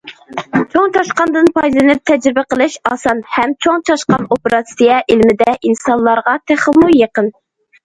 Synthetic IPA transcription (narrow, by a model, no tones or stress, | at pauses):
t͡ʃʰoŋt͡ʃʰɑʃqɑnd̪ɨnpʰɑj̪lˠɨnɪp̚t̪ʰɛd͡ʒɾɪbæqəlˠɨʃɑːsɑnhɛmt͡ʃʰoŋt͡ʃʰɑʃqɑnopɪɾɑsijɛʔilmɪd̪ɛʔinsɑnlˠːɑɾʁɑt̪ʰæχəmujeqən